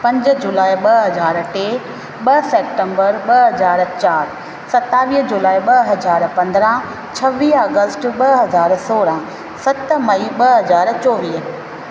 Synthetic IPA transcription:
pɐ̃ɲd͡ʑd͡ʑulaːiɓɐɦɐzaːɾʈeː | ɓɐseːpʈə̃mbəɾɓɐɦɐzaːɾt͡ɕaːɾ | sɐt̪aːʋiːɦd͡ʑulaːiɓɐɦɐzaːɾpɐ̃nd̪ɾã | t͡ɕʰɐʋiːɦaːɡəsʈɓɐɦɐzaːɾsoːɾã | sɐt̪mɐiɓɐɦɐzaːɾt͡ɕɔːʋiːɦ

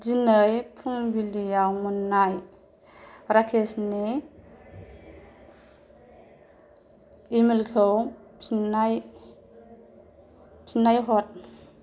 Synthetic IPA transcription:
zinəjpʰuŋbilijawmunːaj | ɾakʰesni | imilkʰɯwpnaj | pʰinajɦɔt̚

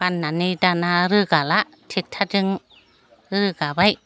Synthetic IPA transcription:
panːanidanaɾɯkalaʔ | t̪ʰik̚t̪ʰatɯŋ | ɾɯkabaj

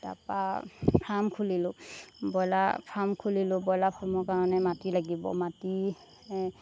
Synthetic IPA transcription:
da̰pa̰pʰamkʰulilʊbɔjla̰pʰamkʰulilʊbɔjlapʰɔmɔkaɹɔnɛmatilaɡibɔ̰mati

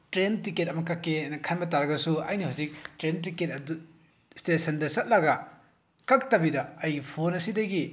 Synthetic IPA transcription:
tɾentiket̚ɐmɐkakːenɐkʰanbɐtaɾɐɡɐsuɐ̰jnihuzik̚tɾent̬iket̚ɐdu | stesɐndɐsɐt̚lɐɡɐ | kak̚tɐbidɐːjpʰonɐsidɐɡi

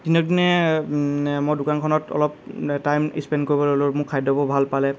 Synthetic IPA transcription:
d̥inɔdinɛ | mɔjdʊkankʰɔnɔtɔ̰lɔptajmḭspɛndkoɹibɔloloɹmʊkʰːajdɔbɔbʱalpalɛ

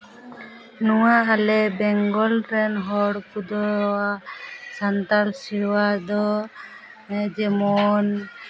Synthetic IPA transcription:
nuwaalɛbɛŋɡɔlʈɾɛnɦɔɽkud̪ɔasant̪alsiɾwad̪ɔ | d͡ʒɛmɔn

